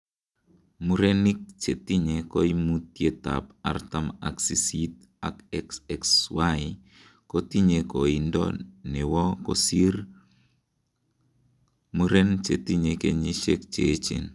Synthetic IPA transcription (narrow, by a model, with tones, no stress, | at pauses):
mu˦ɾe˦ni˦k̚t͡ʃe˨ti˦ɲe˨kɔ˦imu˦t̚je˦ta̰˨pa̰˨rta˦ma̰˨ksi˨sit̚ | a̰˨kɛksɛkswa˦i | ko˦ti˦ɲe˨ko˨i˨ndɔ̰nɛ˨wɔ˦kɔ̰siɾ | mu˦ɾe˦nt͡ʃe˨ti˦ɲe˨ke˨ɲi˦ʃe˦kt͡ʃet͡ʃḛ˨n